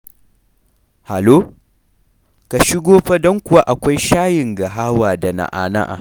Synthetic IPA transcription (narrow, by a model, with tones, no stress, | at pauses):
ha˨loː˦ | ka˨ʃɪ˦ɡʷoː˦ɸa˦dɔ˦ŋkʷʊ˨wa˦ʔa˨kʷa˦jʃaː˦jɪ˨ŋɡa˨ɦaː˦waː˨da˨na̰˨ʔa̰ː˨na̰˦ʔa̰˨